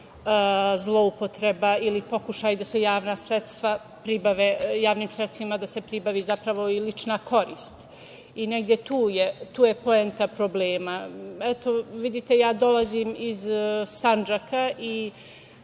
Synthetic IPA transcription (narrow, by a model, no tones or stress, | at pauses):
zlˠo̞upo̞t̪ɾe̞bailipo̞kuʃajd̪ase̞jaːʋnasɾet̪st̪ʋa | pɾibaʋejaːʋnimsɾet̪st̪ʋimad̪ase̞pɾibaʋiːzapɾaʋo̞ilit͡ʃnakʰo̞ɾiːst̪ | ineɡd̪je̞t̪uːjet̪uːje̞po̞ent̪apɾo̞bleːmaɛt̪o̞ʋid̪it̪e̞jaːd̪o̞laziːmizsand͡ʒakaʔi